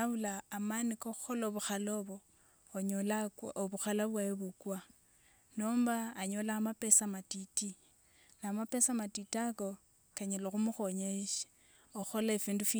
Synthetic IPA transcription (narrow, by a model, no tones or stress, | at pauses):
aβulaːmanikoxolaoβuxaloβo | oɲolakwoβuxalaβwajeβukwa | noːmbaːɲolaːmape̞samatiti | naːmapesamatitako̞ | kaɲeloxumuxoɲeʃi̥ | oxo̞laefiːndufi